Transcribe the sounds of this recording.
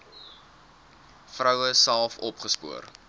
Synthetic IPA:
frəwəsælˠfɔpχəspṵər

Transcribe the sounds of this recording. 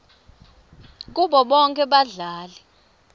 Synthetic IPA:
k̬uɓɔɓɔŋkʼɛɓaɮaːlɛ

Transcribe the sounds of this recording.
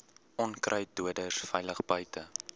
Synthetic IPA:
ɔnkrʔəjduədəsfɛjləχbœɥtə

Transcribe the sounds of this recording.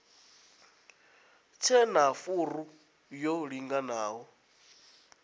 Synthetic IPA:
t͡sʰɛnafuru | joɺiŋɡanaːɦɔ

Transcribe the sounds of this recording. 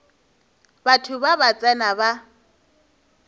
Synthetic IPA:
batʰʊbabat͡sʼɛnaba

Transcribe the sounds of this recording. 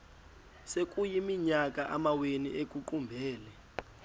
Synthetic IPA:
sek̬ʼujimiɲak̬ʼaʔamawenḭʔek̬ʼuǃumbʱɛːlɛ

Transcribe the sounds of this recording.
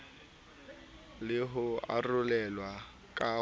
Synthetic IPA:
lɪɦʊa̰rʊlɛlwa | kʼa

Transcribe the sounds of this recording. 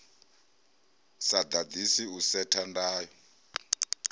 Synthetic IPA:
sad̪ad̪isiusɛtʰandaːjɔ

